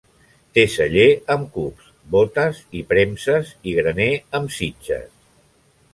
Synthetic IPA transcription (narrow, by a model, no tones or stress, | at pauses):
t̪esəʎeəmkups | bot̪əzipɾemsəziɣɾəneəmsid͡ʒə̰s